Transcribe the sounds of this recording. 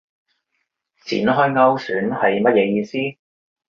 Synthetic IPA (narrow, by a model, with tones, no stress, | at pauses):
t͡sʰḭː˨˩nɦɔː˥jŋɐ˥wsyː˨˥nhɐ˨jmɐ˥t̚jɛː˨˧jiː˧siː˥